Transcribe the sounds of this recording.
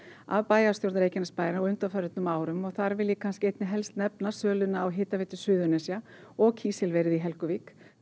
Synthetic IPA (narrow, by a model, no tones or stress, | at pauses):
a̰vpaːjasjowɾt̪aɾeːjcɪnaspaːjɾɔɣʏnt̪afœɾʏt̪nʏmaːwɾʏmɔɣθaɾvɪljɪkʰanscɪejt̪nɪɦɛlst̪nɛpnasœːlʏnaːwɦɪːt̪aveɪːt̪ʏsʏːðʏnɛsja | ɔɣcʰiːsɛlvɛːɾɪðiɦɛlkʏvik